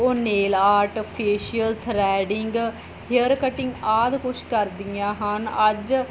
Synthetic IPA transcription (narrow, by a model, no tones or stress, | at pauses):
oːneːlaːɾʈopʰiːʃijəlt̪ʰɾɛːɖɪŋɡ | hɪəɾkəʈɪ̃ŋɡaːd̪kʊʃʰkəɾd̪ɪjãːɦənəd͡ʒ